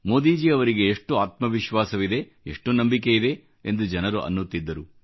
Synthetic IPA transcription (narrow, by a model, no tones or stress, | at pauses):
moːd̪iːd͡ʒiɐʋɐɾiɡe̞ːʂʈuaːt̪mɐʋiʃʋaːsɐʋid̪e̞ | ḛʂʈunɐmbik̬e̞id̪e̞ | end̪ud͡ʒɐnɐɾuʔɐ̰nːut̪ːid̪ːɐɾu